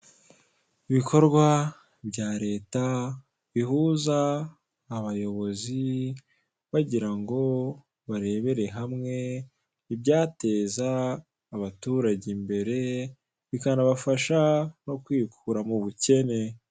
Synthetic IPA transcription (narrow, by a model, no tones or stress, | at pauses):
iβikʰo̞ɾɡwa | bɟaːɾe̞ːta | βihuːzaː | βajo̞βo̞zi | βaɟiɾaŋɡo̞ | βaɾe̞ːβe̞ɾe̞ɦamŋe̞ | ibɟaːte̞ːzaː | βatuːɾaɟimbe̞ɾe̞ | βikanaβafaʃano̞kwiːkʰuɾamuβuce̞ne̞